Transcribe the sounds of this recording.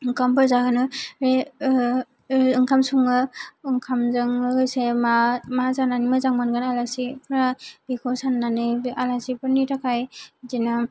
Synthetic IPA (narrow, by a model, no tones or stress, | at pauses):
ɯŋkʰampɯɾzaɡɯnɯɾe | ɯŋkʰamsuŋɯɯŋkʰamzɯŋɯɡɯjsemamazananimɯzaŋmanɡɯnalasipʰɾabikʰɔsanːanɯalasipɯɾnitakʰajzina